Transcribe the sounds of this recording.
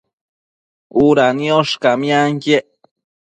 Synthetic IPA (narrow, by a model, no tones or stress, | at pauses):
uɾanijoʃkamjaŋkeʔ